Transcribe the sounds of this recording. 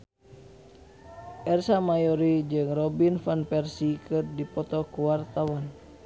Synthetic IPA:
ʔɛrsamajɔɾid͡ʒɨŋrɔbinfanpɛrsikɨrdipɔt̪ɔkuwart̪awan

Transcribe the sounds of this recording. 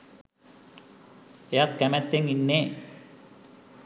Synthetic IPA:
ejat̪̚kæmæt̪ːeŋinːeː

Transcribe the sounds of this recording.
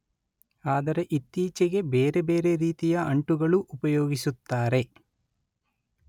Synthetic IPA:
aːd̪ɐɾe̞ʔit̪ːiːt͡ʃeɡe̞beːɾe̞beːɾe̞ɾiːt̪ijɐɐɳʈuɡɐɭuʔupɐjoːɡisut̪ːaːɾe̞

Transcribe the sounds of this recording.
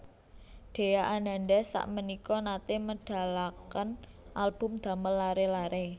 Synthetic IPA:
ɖ̪̥e̤jaʔanand̪ɛsa̰ʔmənikɔnat̪eməɖ̥a̤lakən | ʔalb̥ʊ̤md̪̥a̤məlːaɾelaɾe

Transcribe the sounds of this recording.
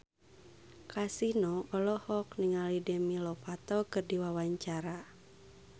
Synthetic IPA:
kasinɔɔlɔhɔk̚niŋalidɛmilɔpat̪ɔkɨrdiwawaɲt͡ʃaɾa

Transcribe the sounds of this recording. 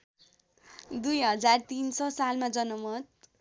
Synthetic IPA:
d̪ujɦʌd͡zart̪insʌsalmad͡zʌnʌmʌt̪̚

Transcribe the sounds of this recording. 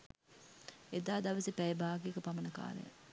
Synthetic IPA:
ed̪aːd̪ɐʋɐsipɛjebaːɡiekəpɐmɐnɐka̰ːɾḛj̰

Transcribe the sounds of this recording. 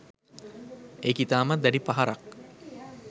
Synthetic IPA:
ekit̪aːmad̪æɖipaɦaɾak̚

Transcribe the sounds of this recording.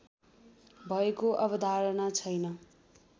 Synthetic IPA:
bʱʌekoʔʌbʌd̪ʱaɾʌnat͡sʰʌjnʌ

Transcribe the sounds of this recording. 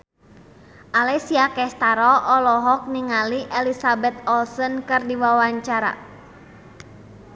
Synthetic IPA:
ʔalɛsiakɛst̪aɾɔʔɔlɔɦɔk̚niŋaliʔɛlisabɛt̪̚ɔlsɔnkɨrdiwawaɲt͡ʃaɾa̰

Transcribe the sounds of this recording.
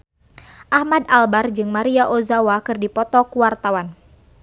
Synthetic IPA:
ʔahmadalbard͡ʒɨŋmaɾiaʔozawakɨrdipɔt̪ɔkuwart̪awan

